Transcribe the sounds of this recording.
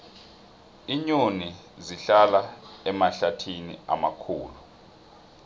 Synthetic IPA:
iɲoni | ziɬalaɛmaɬatʰinḭa̰makʰuːlu

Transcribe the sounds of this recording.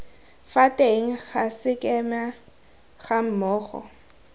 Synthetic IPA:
fatʼeŋ̩ɣasɪkʼɛma | χam̩mɔːχɔ̰

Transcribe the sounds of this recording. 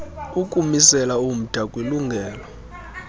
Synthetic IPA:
ukʼumisɛlaum̩d̥ʱakʼwiluŋɡʱɛːlɔ

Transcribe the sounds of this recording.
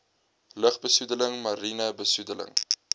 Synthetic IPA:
ləχbəsudələŋmɐɾinəbəsudələ̰ŋ

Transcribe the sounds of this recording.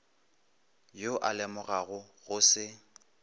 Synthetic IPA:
joʔalɛmʊɣaɣʊɣʊsɪ

